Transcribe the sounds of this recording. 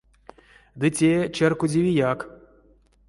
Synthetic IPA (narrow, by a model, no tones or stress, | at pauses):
d̪ɨtʲet͡ʃɛrkudʲivʲijak